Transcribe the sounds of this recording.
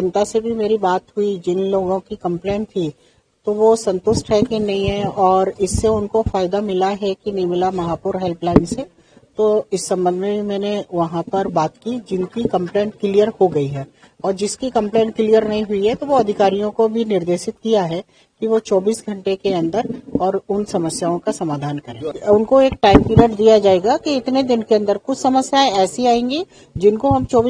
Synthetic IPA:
d͡ʒɐ̃nt̪asebʱimeːɾibaːt̪ɦʊid͡ʒɪnloːɡõkikɐ̃mpleːɳʈt̪ʰi | t̪oʋosɐ̃nt̪ʊsʈɦɛkinɐɦĩɦɛɔːɾɪsːeʊnkofaːɪd̪amɪlaɦɛkinɐɦĩmɪlamɐɦaːpuːɾɦɛlplaːɪ̃nse | t̪oɪsːɐ̃mbə̃nd̪mebʱimɛ̃ːneʋɐɦãpɐɾbaːt̪kid͡ʒɪnkikɐ̃mpleːɳʈkɪlijəɾhoɡɐiɦɛː | ɔːɾd͡ʒɪskikɐ̃mplẽːɳʈ̚kɪlijəɾnɐɦĩɦʊiɦɛt̪oʋoɐd̪ʱɪkaːɾijõkobʱinɪɾd̪eːʃɪt̪kijaɦɛ | kiʋot͡ʃɔːbiːsɡʱɐ̃ɳʈekeɐ̃nd̪əɾɔːɾʊnsɐməsjaːõkasɐmaːd̪ʱaːnkɐɾẽːʊnkoeːk̚ʈaːɪmpiːɾəʈd̪ijad͡ʒaːeːɡakiɪt̪ned̪ɪnkeɐ̃nd̪əɾkʊt͡ʃʰsɐməsjaẽɛːsiaːẽːŋɡi | d͡ʒɪnkoɦɐmt͡ʃɔːb

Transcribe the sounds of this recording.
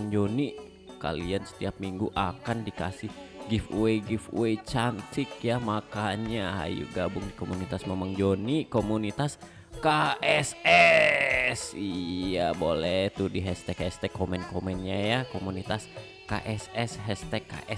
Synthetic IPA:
ŋd͡ʒoni | ka̰liansə̥t̪iap̚miŋɡuʔakandika̰sɪhɡifueɡɪfṵet͡ʃant̪ʰɪkjamakaɲaha̰jṵɡabʊŋdikomunit̪asmemaŋd͡ʒonikomunit̪as | kaʔɛsɛ | sijabolɛt̪udiɦɛst̪ɛkɛst̪ɛkːomɛnkomɛnɲajakomunit̪as | ka̰ʔɛsɛsɦɛst̪ɛkːa̰ʔɛ

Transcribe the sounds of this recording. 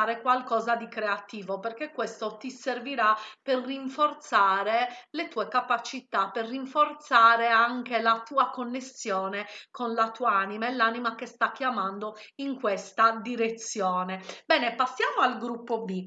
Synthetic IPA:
ɾekwalkɔːzad̪ikɾeat̪iːvoperkekːwest̪ot̪iserviɾaperːiɱfort̪saːɾelet̪uːekapat͡ʃit̪aperːiɱfort̪saːɾeaŋk̟elat̪uːakonːesjɔːnekonlat̪uːaaːnimaɛlːaːnimak̟est̪ak̟ːjamand̪oiŋkwest̪ad̪iɾet̪sːjɔːnebɛːnepasːjaːmoalɡɾupːobi

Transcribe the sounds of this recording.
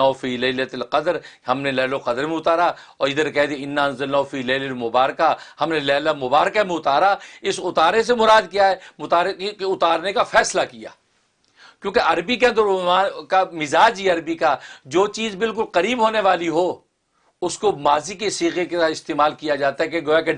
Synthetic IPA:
aːofiːlɐɪlət̪lqɐd̪ɾɦɐmnelɛːloqɐd̪ɾmẽʊt̪aːɾa | ɔːɾɪd̪əɾkɛɦd̪eɪnːaːɐnzɐlnaːɦufiːlɐːɪlɐlmʊbaːɾəkahɐmnelɛːlamʊbaːɾkamẽʊt̪aːɾaɪsʊt̪aːɾnes̬emʊɾaːd̪kijaɦɛːmʊt̪aːɾkkeʊt̪aːɾnekafɛːslakija̰ː | kjõːkeɐɾbik̬eɐ̃nd̪əɾʊaːkamɪzaːd͡ʒɦɛɐɾbikad͡ʒoːt͡ʃiːzbɪlk̬ʊlqɐɾiːbɦoːneʋaːliɦoː | ʊskomaːzikesiːɣekesaːɪst̪eːmaːlkijad͡ʒaːt̪aɦɛkeɡoːjake

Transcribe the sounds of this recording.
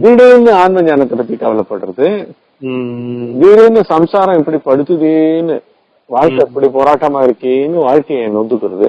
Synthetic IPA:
d̪iɽeːnɯaːnmɐɲaːnɐt̪ːɐpɐt̪ːikɐʋɐlɐpːɐɽːɯɾɐðɯ | d̪iːɾenɯsɐmsaːɾɐ̃ɛpːɐɽipɐɽɯt̪ːɯðenːɯ | ʋaːɻkɐɛpːɐɽipoːɾaːʈːɐmaːɪɾɯkːeːnːɯʋaːɻkɐennd̪ɯkːɯɾɐðɯ̰

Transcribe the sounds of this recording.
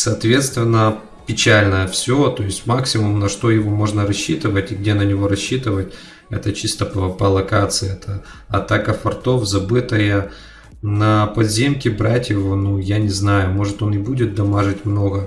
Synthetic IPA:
sɐːt̪vʲe̞t̪st̪vʲɪnːə | pʲɪt͡ɕælʲnəjəfsʲot̪o̞ɪsʲtʲmaksʲɪmʊmnɐʂt̪o̞jɪvo̞mo̞ʐnəɾɐɕːit̪ɨvətʲɪɡ̚dʲe̞nənʲɪvo̞ɾɐɕːit̪ɨvət̚ʲ | ɛ̰t̪ət͡ɕist̪əpəpəlˠɐkat̪sɨjɛt̪ʰə | ɐt̪akəfɐrt̪o̞fzɐbɨt̪əjə | nɐpɐd̪zʲemkʲɪbɾatʲjɪvonujanʲɪznajʊmo̞ʐɨt̪o̞nɪbudʲɪt̪̚d̪ɐmaʐɨtʲmno̞ɡə

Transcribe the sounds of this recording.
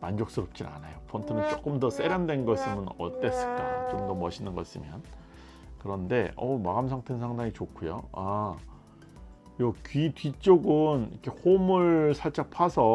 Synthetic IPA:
mand͡ʑok̚s͈ɯɾʌp̚t͡ɕ͈ina̰najopʰʌntʰɯnɯnt͡ɕ͈ok͈ɯmdʌs͈e̞ɾjandwe̞nɡʌs͈ɯmɯnʌ̰t͈e̞s͈ɯɭk͈a̰t͡ɕomdʌmʌɕʰinɯnɡʌs͈ɯmjʌn | kɯɾʌnde̞ʌmaɡamsʰaŋtʰensʰaŋdaŋit͡ɕokʰujo̰a | jʌkɥitɥit͡ɕ͈oɡɯnikʰe̞homɯɭsʰaɭt͡ɕ͈apʰasʰʌ

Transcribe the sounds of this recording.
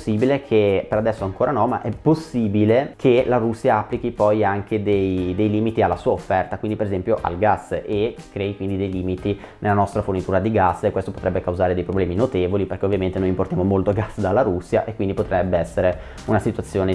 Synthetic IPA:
sːiːbilekʰepeɾad̪ɛsːoaŋkoːɾanɔma̰ʔɛpːosːiːbilekʰelaɾusːjaapːlikipɔjaŋked̪ejd̪ejliːmit̪ialːasuːaofːɛrt̪akwind̪ipeɾezɛmpjoʔa̰lɡasːekːɾɛːikwind̪id̪ejliːmit̪inelːanɔst̪ɾafornit̪uːɾad̪iɡasːekːwest̪opot̪ɾɛbːekawzaːɾed̪ejpɾoblɛːminot̪eːvoliperkeovjament̪enojimpoɾrt̪jamomolt̪oɡasːd̪alːaɾusːjaʔekːwind̪ipot̪ɾɛbːeɛsːeɾe | unasit̪wat̪sːjoːne

